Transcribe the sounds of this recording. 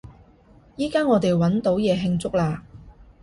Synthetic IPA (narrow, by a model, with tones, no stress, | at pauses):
jiː˥kaː˥ŋɔː˨˧t̪e˨jwɐ˨˥nt̪o˨˥wjɛː˨˧ɦɪ˧ŋt͡sʊ˥k̚laː˧